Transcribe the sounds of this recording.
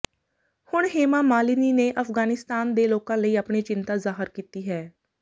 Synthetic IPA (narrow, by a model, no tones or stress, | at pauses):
hʊɳɦeːmaːmaːliːniːneːʔəfɡaːnɪst̪aːnd̪eːloːkãːləiːapɳeːt͡ʃɪnt̪aːzaːɦəɾkiːt̪iːɦɛː